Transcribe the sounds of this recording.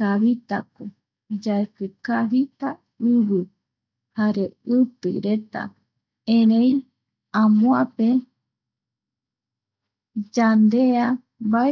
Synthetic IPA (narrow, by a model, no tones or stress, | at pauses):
aβit̪a̰ko | d͡ʒaepɨkaβit̪a | ɨβɨ | haɾeɨt̪ɨ̰ɾet̪a̰ | ẽɾẽĩ | ãmõape | d͡ʒand̪ea | ba